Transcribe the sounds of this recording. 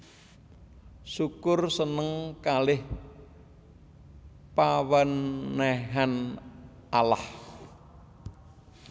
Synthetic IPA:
sukʊrsənəŋkalɪh | pawənːɛɦan | ʔalah

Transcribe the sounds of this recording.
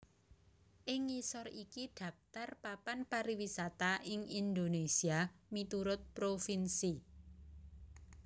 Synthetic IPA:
ʔɪŋisɔrikiɖ̪̥ä̤f̚t̪arpapanpaɾiwisat̪aʔɪŋind̪onesiamit̪uɾʊt̪̚pɾofinsi

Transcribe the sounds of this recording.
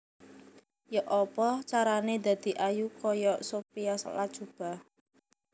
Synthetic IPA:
jɔʔɔpɔt͡ʃaɾaned̪ä̤d̪̥i̤ʔajukɔjɔsopijasə̰lḁʒ̥ub̥a̤

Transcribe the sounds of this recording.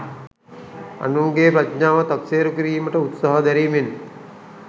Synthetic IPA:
a̰nuŋɡeːpɾatɲaːʋət̪akseːɾukiɾiːməʈəut̪saɦəd̪æɾiːmen

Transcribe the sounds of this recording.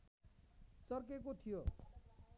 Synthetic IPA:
sʌrkekot̪ʰijo

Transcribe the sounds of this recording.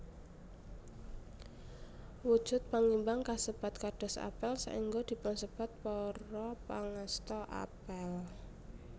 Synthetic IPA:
wud̥ʒ̥ʊt̪̚paŋimbaŋkasəpat̪̚kaɖ̥ɔ̤sa̰pəlsa̰iŋɡod̪̥i̤pʊnsəpat̪̚pɔɾɔpaŋast̪ɔʔa̰pəl

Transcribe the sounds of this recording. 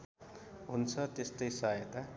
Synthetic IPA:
ɦunt͡sʰʌt̪est̪ʌjsajet̪a

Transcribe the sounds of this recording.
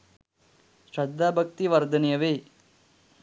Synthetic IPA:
ʃɾɐd̪ʱːaːbʱɐk̚t̪iʋɐɾd̪ʱɐnijɐʋeː

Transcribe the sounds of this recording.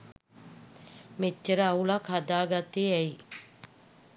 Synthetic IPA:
met͡ʃːəɾəaulakad̪aːɡat̪eɛi

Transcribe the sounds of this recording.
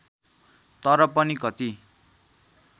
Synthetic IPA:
t̪ʌɾʌpʌnikʌt̪i

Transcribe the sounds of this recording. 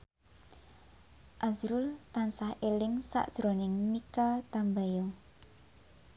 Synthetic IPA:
ʔazɾʊlt̪ansahʔelɪŋsa̰ʔd̥ʒ̥ɾonɪŋmikat̪ambajɔ

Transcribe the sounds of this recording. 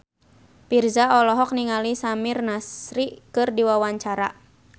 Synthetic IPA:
pirzaɔlɔɦɔk̚niŋalisamirnasɾikɨrdiwawaɲt͡ʃaɾa̰

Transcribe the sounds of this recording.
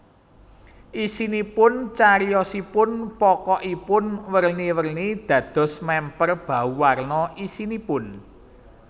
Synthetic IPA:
ʔisinipʊnt͡ʃaɾijɔsipʊnpɔkɔʔipʊnwərniwərnid̪̥ä̤d̪̥ɔ̤smɛmpərb̥ä̤uwarnɔʔisinipʊn

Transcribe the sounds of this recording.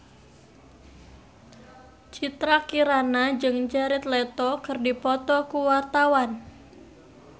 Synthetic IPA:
t͡ʃit̪ɾakiɾanad͡ʒɨŋd͡ʒaɾɪt̪lɛt̪ɔkɨrdipɔt̪ɔkuwart̪awan

